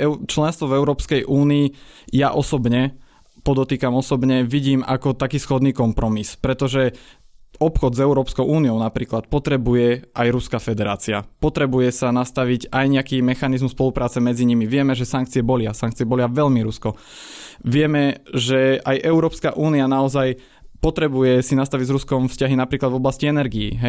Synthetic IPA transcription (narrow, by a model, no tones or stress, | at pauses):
ɛt͡ʃlɛnst̪ʋɔvɛʊɾɔːpskɛjʔuːniːjaʔɔsɔbɲɛ | pɔd̪ɔt̪iːkamɔsɔbɲɛʋiɟiːma̰kɔt̪akiːsxɔd̪niːkɔmpɾɔmispɾɛt̪ɔʒɛ | ɔpxɔd̪zɛʊɾɔːpskɔʊʔuːnijɔʊnapɾiːklat̪̚pɔt̪ɾɛbujɛʔajɾuskafɛd̪ɛɾa̰ːt͡sia̰pɔt̪ɾɛbujɛsanast̪aʋiɟajɲɛakiːmɛxanizmuspɔlupɾaːt͡sɛmɛd͡ziɲimiʋɪɛmɛʒɛsaŋk̚t͡siɛbɔlɪasaŋk̚t͡siɛbɔlɪaʋɛʎmiɾuskɔ | ʋɪɛmɛʒɛajʔɛʊɾɔːpska̰ʔuːnianaɔzaj | pɔt̪ɾɛbujɛsinast̪aʋiɟzɾuskɔmfscaɦinapɾiːklad̪vɔblasciɛnɛɾɡiḭɦɛj